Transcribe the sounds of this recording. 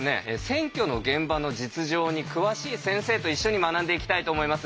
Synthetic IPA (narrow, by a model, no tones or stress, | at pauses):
ne̞̰esẽ̞ŋkʲo̞no̞ɡẽ̞mbano̞d͡ʑit͡sɨʑo̞ːɲ̟ikɯ̟βaɕiːsẽ̞ɰ̃se̞ːt̪o̞iɕːo̞ɲ̟imanãnd̪e̞ikʲi̥t̪ait̪o̞ːmoimasɨ